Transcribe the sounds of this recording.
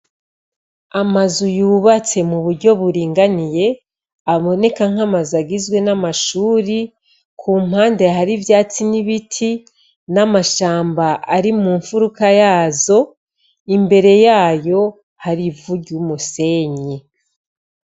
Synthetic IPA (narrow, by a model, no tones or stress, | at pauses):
amazujuːβat͡se̞muβuɾɟo̞βuɾiːŋɡanije̞ | aβo̞ne̞kaŋ̥amazaɡizɡwe̞namaʃuːɾi | kʰuːm̥haːnde̞ɦaɾivjaːt͡siniβitʰi | namaʃaːmbaʔaɾimuːɱfuɾukajaːzo̞ | imbe̞ɾe̞jaːjo̞ | haɾivuɟumuse̞ɲe